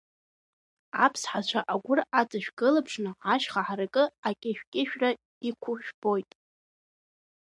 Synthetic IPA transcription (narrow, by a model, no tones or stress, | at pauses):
apʰsħat͡ɕʷʰaʔaɡʷʊrat͡sʼaʃᶣɡɨlapʰʂnɨaʃχaħarakʼɨakʲʼɪʃᶣkʲʼɪʃᶣra | ikʷʰʊʃᶣb̥o̞jtʼ